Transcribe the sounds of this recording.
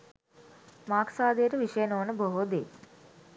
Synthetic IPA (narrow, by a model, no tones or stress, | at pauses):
maːkʰsaːd̪eːɾɐʋiʂɐjɐnoːnɐboɦoːd̪ḛː